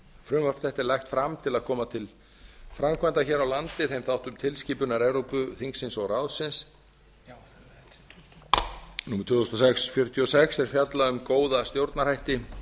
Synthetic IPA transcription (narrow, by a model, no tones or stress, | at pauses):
fɾʏmvaɾfθɛht̪ɛlɛjxt̪fɾamt̪ʰɪlaðkʰɔːmat̪ʰɪl | fɾamkʰvant̪açɛːɾawlant̪ɪθejmθawht̪ʏmt̪ʰɪlsciːpʏnaɾewɾowpʏθiŋksɪnsɔɣrawðsɪns | nuːmɛ̥ɾt̪ʰvʏːθɔst̪ɔsɛksfjœɾ̥t̪ʰjiɔsɛksɛɾ̥fjat̪laʏmkoːwðast̪jowɾt̪naɾhajht̪ɪ